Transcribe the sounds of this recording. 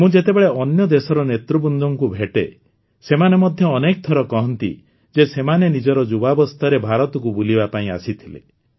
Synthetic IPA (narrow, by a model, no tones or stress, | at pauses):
mũd͡ʒet̪ebeɭeʔɔnjɔd̪esɔɾɔnet̪ɾubund̪ɔŋkubʱeʈe | semanemɔd̪ʱjɔːnek̚t̪ʰɔɾɔkɔɦɔnt̪ḭ | d͡ʒesemanenid͡ʒɔɾɔd͡ʒubabɔst̪ʰaɾebʱaɾɔt̪ɔkubulibapaĩasit̪ʰilḛ